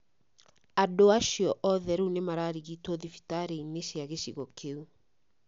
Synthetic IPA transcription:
adoaʃiɔʔɔðɛɾuunemaɾaːɾiɣiːtɔðifi̥taɾeineʃeaɣeɕiɣɔkʰeu

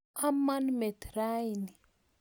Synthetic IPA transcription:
amːanimet̪ɾajni

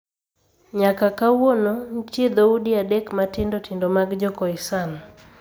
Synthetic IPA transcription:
ɲakakawonont͡ʃɪd̪oudiadɛkmatɪndotʰɪndomaɡd͡ʒɔkɔisan

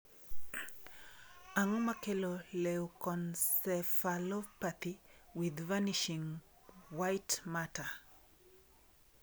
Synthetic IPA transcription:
aŋomakelolewkɔnsɛfalɔpat̪iwɪðvaniʃiŋ | wajtmata

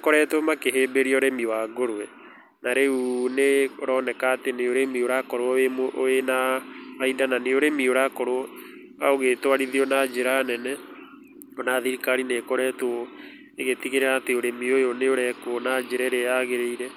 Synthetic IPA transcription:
kɔɾɛtoomakeɦeːbeɾiɔɾemiwaɡoɾoɛ | naɾeuneoɾɔːnɛkaːteneoɾemioɾakɔɾoɔemoʔoenaaidananeoɾemioɾakɔɾoɔ | aoɣetwaɾiðiɔnad͡ʒeɾanɛnɛ | onaðiɾikaɾineːkɔɾɛto | eɣetiɣeɾeateoɾemiojoneoɾɛkonad͡ʒeɾɛɾeaɣeɾeiɾɛ

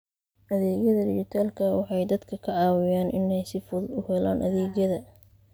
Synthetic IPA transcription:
ʔɐðɛːɡjɐðɐd̪ɪt͡ʃɪt̪ʰaːlkʰɐwɑħɑjd̪ɐd̪kʰɐkʰɐʕɑːwɪjaːnʔɪnɛjsɪfʊðʊhɛla̰ːnʔɐ̰ðɛːɣjɐðɐ

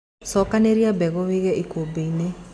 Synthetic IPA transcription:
sɔkaneɾiabɛɣɔweɣɛʔikobene

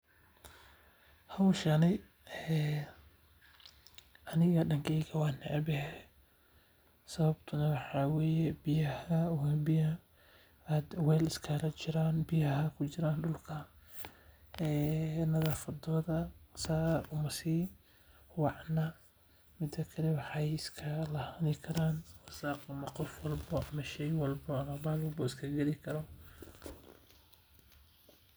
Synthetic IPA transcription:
hɐwʃɐnɛ | ɛ | ʔɐnɪɣɐɖɐŋkʰɛjɣɐwɑːnɛʕbɛɦɛ | sɐβɐbt̪ʰʊnɐwɑħɑːwɛːjɛbɪjɐhɐʊhɛbɪjɐ | aːd̪wɛːlɪskʰɐlɐt͡ʃɪɾaːnbɪjɐhɐkʰʊt͡ʃɪɾaːnɖʊlkʰɐ | ɛːnɐðaːfɐd̪ɔːðɐsaːʊmɐsiː | wɑʕnɐ | mɪd̪ɐkʰɐlɛwɑħɑjɪskʰɐlɐhɐnɪkʰɐɾaːnwɐsaːqɐmɐqɔfwɑlbɔɐmɐʃɛjwɑlbɔɐmɐbaːlwɐlbɔɪskʰɐɡɐlɪkʰɐɾɔ

